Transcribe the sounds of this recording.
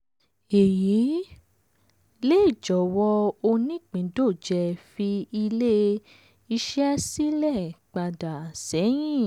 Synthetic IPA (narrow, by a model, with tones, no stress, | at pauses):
e˨ji˨˦ | le˦i˦˨d͡ʒɔ˨wɔ˧o˧nĩ˦˨k͡pĩ˨˦do˦˨d͡ʒɛ˧fi˧i˧le˦ | i˧ʃɛ˦si˦lɛ˦˨k͡pa˧da˨sɛ˨˦j̃ĩ˦˨